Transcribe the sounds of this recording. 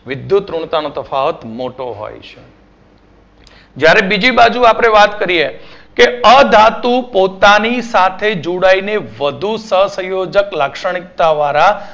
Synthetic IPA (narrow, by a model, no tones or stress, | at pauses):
ʋɪd̪jut̪ɾuɳt̪anot̪əfaʋət̪moʈoɦo̰jt͡ʃʰe̥ | d͡ʒjaɾebid͡ʒibad͡ʒuapɽ̃eʋat̪kəɾiekeəd̪ʱat̪upot̪anisat̪ʰed͡ʒuɽaineʋəd̪ʱusəɦsə̃jod͡ʒəklakʃəɽ̃ik̚t̪aʋaɾa